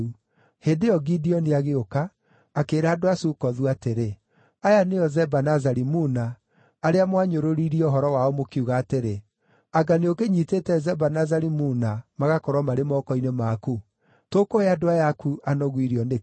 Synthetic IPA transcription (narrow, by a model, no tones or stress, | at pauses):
u | hedeɔɡidiɔniaɣeokaː | keɾaːdoasukɔðuateɾe | ajaneɔzɛbanazaɾimunaː | ɾeamwaɲoɾoɾiɾiɔɦɔɾɔwaɔmokiuɣaːteɾe | aɡaneokeɲiːtetɛzɛbanazaɾimuːnamaɣakɔɾwamaɾemɔkɔinemaku | tokoeadoajakuanɔɣwiɾiɔne